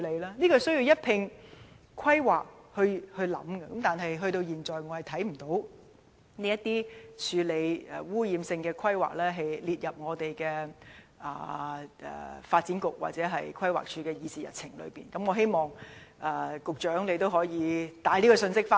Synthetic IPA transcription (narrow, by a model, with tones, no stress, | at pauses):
le˨˧jlaː˥niː˥kɔː˧sɵ˥ɥji˧wjɐ˥t̚pʰɪ˧ŋ | kʰɐ˥jwa̰ː˨k̚hɵ˧hɵ˧lɐ̰˨˥mkɐ˧kɐ˨˦mt̪aː˨˩nɦɐ˨jɦɵ˧ɥt̪o˧wjiː˨˩nt͡sɔː˨˩jŋɔː˨˧hɐ˨˩t̪ʰɐ˨˥jm̩˨˩t̪o˨˥w | niː˥jɐ˥t̪iː˥t͡ʃʰyː˨˧le˨˧jɛ̰˨wuː˥jiː˨˧msɪ˧ŋkɛː˧kʷʰɐ˥jwa̰ː˨k̚lɛː˥ɦɐ˨jliː˨t̚jɐ˨p̚ŋɔː˨˧t̪e˨jkɛː˧ | ʔɐ̰ː˨˩ʔɛ̰ː˨˩faː˧t̚t͡siː˨˥nkʊ˨k̚wa̰˨t̚t͡sɛː˨˥ɦɐ˨jkʰwɐ˥jwa̰ː˨k̚t͡ʃʰyː˨˧kɛː˧jiː˧t͡siː˨jɐ̰˨t̚t͡sʰɪ˨˩ŋlɵ̰˨˧ɥpiː˨˩nkɐ˨˦mŋɔ˨˧ɦe˥jmɔː˨ŋɐ˨kʊ˨k̚t͡ʃœː˨˥ŋle˨˧jt̪o˥wɦɔː˨˥jiː˨˧t̪aː˨˥jliː˥kɔ˧sɵ˧nsɪ˥k̚faː˥